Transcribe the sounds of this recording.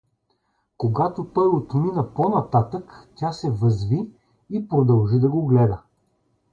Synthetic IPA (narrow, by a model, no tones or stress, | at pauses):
koɡat̪opɤɾvot̪ominɐponɐt̪at̪əktʲasɛvəzvi | ipɾod̪ɐlˠʒid̪ɐɡoɡlɛd̪ə